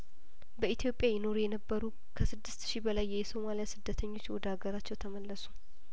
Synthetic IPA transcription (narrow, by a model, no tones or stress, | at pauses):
bəit̪ʰijo̞pʼːjajɪno̞ɾujɛnəbːəɾu | kʰəsɨd̪ːɨst̪ʃibəlajːɛjso̞malijasɨd̪ːət̪ʰəɲːo̞t͡ʃːwɔd̪aɡəɾat͡ʃːɛwt̪ʰəməlːəsu̥